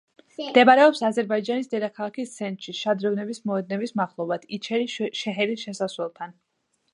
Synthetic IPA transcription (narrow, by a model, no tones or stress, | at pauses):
md̪ɛbaɾɛɔpsazɛɾbaid͡ʒanisd̪ɛd̪akʰalˠakist̪sʰɛnt̪ʃiʃad̪ɾɛvnɛbismɔɛd̪̚nɛbismaχlˠɔvad̪̥it͡ʃʰɛɾiʃɛɦɛɾisʃɛsaswɛlˠt̪ʰan